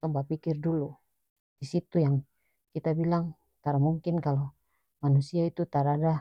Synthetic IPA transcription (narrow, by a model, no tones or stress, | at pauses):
t̪ɔmbapikɪrdulu | disit̪ujaŋ | kit̪abilaŋ | t̪aɾmuŋkɪnkalo | manusiait̪ut̪aɾada